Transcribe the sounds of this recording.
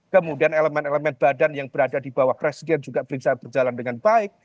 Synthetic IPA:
kəmudianɛləmɛneləmɛn̚b̥adanjaŋb̥əɾadadibawahpɾesidɛnd͡ʒuɡab̥əɾisab̥ərd͡ʒalandəŋanbaɪk̚

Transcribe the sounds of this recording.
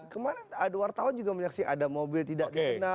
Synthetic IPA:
kəmanaadwart̪aɦʊnd͡ʒuɡaməɲaksiʔadamobɪlt̪idaʔdkəna

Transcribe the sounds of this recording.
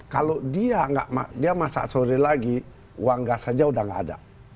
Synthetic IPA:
kalodiaŋɡa̰ʔma̰diamasa̰ʔsoɾilaɡi | waŋɡasad͡ʒaudaŋɡa̰ːda̰

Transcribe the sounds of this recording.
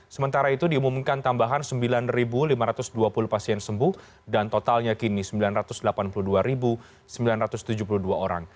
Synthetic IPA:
səmənt̪aɾait̪udiumumkant̪ambaɦansəmbilanribulimaɾat̪ʊsduapuluhpasiɛnsəmbuh | dant̪ot̪alɲakinisəmbilanrat̪ʊsdəlapanpuluhduaɾibu | səmbilanrat̪ʊst̪ud͡ʒup̬uluhduaoɾa̰ŋ

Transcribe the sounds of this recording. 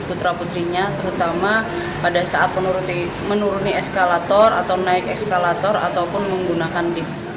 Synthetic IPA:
put̪ɾaput̪ɾiɲat̪əɾut̪ama | padasaat̪̚mənuɾut̪i | mənuɾuniɛskalat̪ɔra̰t̪awnaɪkɛskalat̪ɔɾa̰t̪awpʊnməŋɡunakandɪf

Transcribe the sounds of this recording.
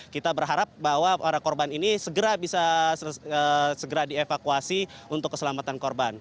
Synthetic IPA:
kit̪abərɦaɾap̚baɦwaaɾakɔrbaninisəɡəɾabisa | əsəɡəɾadiefakuasiunt̪ʊkːəsəlamat̪ankɔrban

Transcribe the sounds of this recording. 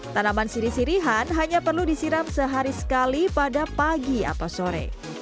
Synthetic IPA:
t̪anamansiɾisiɾiɦanɦaɲapərludisiɾamsəɦaɾisə̥kalipadapaɡia̰t̪awsoɾɛ̰

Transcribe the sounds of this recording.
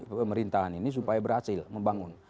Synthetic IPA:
əməɾint̪aɦaninis̬upajabəɾhasɪlməmbaŋʊn

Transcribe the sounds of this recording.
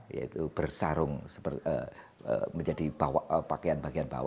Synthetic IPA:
ja̰ḭt̪ub̥ərsaɾʊŋsə̥pərə̰ | ə̰məɲd͡ʒadib̥awaʔəpakeanbaɡianba̰wa

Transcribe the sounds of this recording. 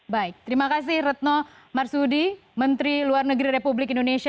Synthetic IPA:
baɪk̚t̪əɾimakas̬ɪhrət̪̚nɔ | marsudimənt̪ɾiluarnəɡɾiɾepublɪkindonesia

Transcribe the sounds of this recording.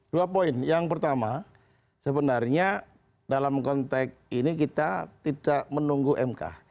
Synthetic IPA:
d̥uapoɪnjaŋpərt̪ama | səbənarɲa | dalamkɔnt̪ɛk̚inikit̪at̪idaʔmənuŋɡuʔɛmka̰

